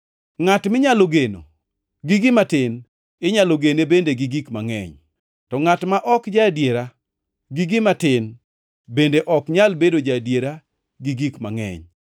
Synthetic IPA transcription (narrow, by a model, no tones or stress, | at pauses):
ŋatmɪɲaloɡeno̰ | ɡiɡɪmatɪn | eɲaloɡenebendeɡiɡikmaŋɛ̰ɲ | tɔŋatmaʔɔkd͡ʒadjeɾa | ɡiɡɪmatɪn | bendeʔɔkɲalbedod͡ʒadjeɾa | ɡiɡikma̰ŋɛ̰ɲ